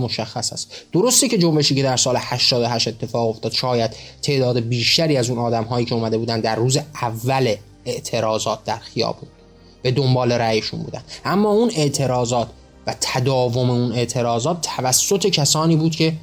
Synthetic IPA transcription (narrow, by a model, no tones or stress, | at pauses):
moʃæxːæsæ̰st̪d̪̥o̞ɾo̞st̪ece̞d͡ʒo̞mbe̞ʃiːcʰe̞d̪æɾsɒːlehæʃt̪ɒːd̪o̞ɦæʃt̪e̞t̪ʰːe̞fɒːɣo̞ft̪ɒːd̪̥ʃɒːjæd̪̥t̪ʰe̞ʔd̪ɒːd̪e̞biːʃt̪æɾiːæzunɒːd̪æmɦɒːjiːcʰe̞omæd̪e̞buːd̪ænd̪d̪æɾːuːzeævːæle | eʔt̪ʰe̞ɾɒːzɒːt̪̚d̪æɾxijɒ̰ːbuːn | b̥e̞d̪ombɒːle̞ɾæjeʃṵnbṵːd̪æ̰nd̪ʔæmːɒːune̞ʔt̪ʰe̞ɾɒːzɒːt̪ʰ | væt̪ʰæd̪ɒːvo̞meune̞ʔt̪ʰe̞ɾɒːzɒːt̪ʰːævæsːo̞t̪ʰe̞cʰæsɒːniːbuːd̪cʰe̞